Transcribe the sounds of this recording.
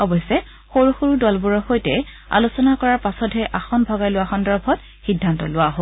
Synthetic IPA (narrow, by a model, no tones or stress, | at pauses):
ɔbɔjsɛ | xoɹuxoɹudɔlbuɹɔxojtɛ | a̰lusɔnakɔɹaɹpasɔdʱɦɛʔaxɔnbʱɔɡajlʊaxɔndɔɹbʱɔt | xidʱːantɔ̰lʊwaɦo